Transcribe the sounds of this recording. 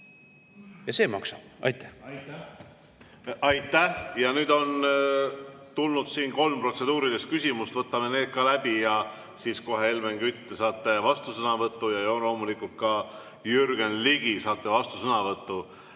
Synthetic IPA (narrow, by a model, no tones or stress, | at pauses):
jɑse̞ːmɑ̰ksɑb̥ɑ̰jt̪ːˑæ | ɑjt̪ːˑæhjɑnyːd̪o̞n | t̪ulnud̪̥siːnko̞lmpro̞t̪se̞d̪̥uːɾid̪e̞st̪kysʲimust̪vɤt̪ːˑɑme̞neːd̪̥̚kɑlæb̥ijɑ | siːsko̞ɦeelmeŋɡyt̪ːesɑːt̪ˑːe̞vɑst̪usɤnɑvɤt̪ːujɑjolo̞ːmulikult̪̚kɑ | jyrɡenliɡ̥isɑːt̪ˑːe̞vɑst̪usɤnɑvɤt̪ːˑu